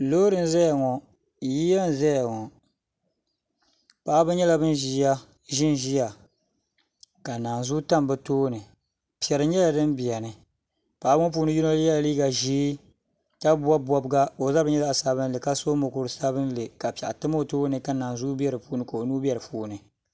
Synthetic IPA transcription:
loː˦ɾɨ˨n˦zɛ˦ja˨ŋɔ˨˦ | ji˦ja˦n˨zɛ˦ja˨ŋɔ˨ | pa˨ʔa˦bɨ˦ɲɛ˦la˨bɨ˦nʒi˦ja˦ | ʒɪ˦n˨ʒi˦ja˨ | ka˨naː˨nzu˦ta˦mbɛ˦toː˦nɨ˨ | pi˨ɛ˨ɾɨ˨ɲɛ˦la˨dɨ˦mbi˨ɛ˨nɨ˨ | pa˨ʔa˦bŋɔ˦p̬uː˦nɨ˦ji˦no˦lja˦lliː˦ɡa˨ʒiː˦ | ka˦bwa˦bɔ˦bɡa˦o˨˦za˦bɨ˦ɲɛ˦la˦a˨sa˨βɨ˦n˦lɨ˨ka˦so˦mʊ˨kʊ˨ɾsa˦bɨ˦n˦lɨ˨ka˨pɛ˨ʔa˨tɨ˦ma˦o˨toː˦nɨ˨ka˨˦naː˨n˨zu˦bi˦ɛ˦ɾɨ˨puː˦nɨ˦ka˨o˨nuː˦bɛ˦ɾɨ˨puː˦nɨ˨

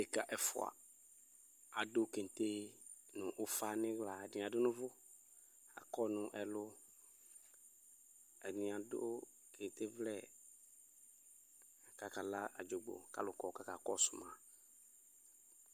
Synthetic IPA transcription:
e˨ka˨ʔɛ˨fʊ̰˨a̰˨ | a˨dʊ˦ke˨n˨t̪e˦ | nʊ˨ʔʊ˦fa˦nɪ̃˦ɣla˨dɪ˨a˨dʊ˦nʊ̃˦vʊ˦ | a̰˨kɔ˦nʊ̃˨ʔɛ˨lʊ˦ | ɛ˨nɪ̃˨a˨dʊ˦ | kʰe˨n˨t̪e˦vlɛ˦˨ | a˨ka˨ka˨la˦a˨d͡ʒo˨ɡ͡bo̰˨ka̰˨lʊ˨kɔ˨ka˦ka˨kɔ˦sʊ˨mã˨

